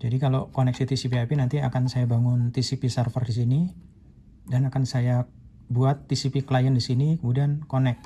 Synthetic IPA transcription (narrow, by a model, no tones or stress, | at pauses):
d͡ʒadikalokɔnɛk̚sit̪isipiapinant̪iakansajabaŋʊnt̪isipisərfərdis̬ini | danakansaja | buat̪ːisipikəlajandisinikəmudankonɛk̚